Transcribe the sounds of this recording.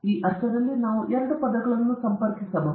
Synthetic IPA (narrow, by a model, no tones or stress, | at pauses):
iːʔɐɾsɐðɐlːinaːʋuʔeɾɐɳɖupɐd̪ɐɡɐɭɐnːusɐmpɐɾkisɐmɐ